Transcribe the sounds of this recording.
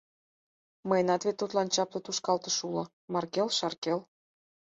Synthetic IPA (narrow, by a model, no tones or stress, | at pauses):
məjənɑt̪βet̪ːut̪lɑnt͡ɕɑplɤt̪uʃkɑlt̪ə̆ʃulɤ̆ | mɑrkelʃɑrkel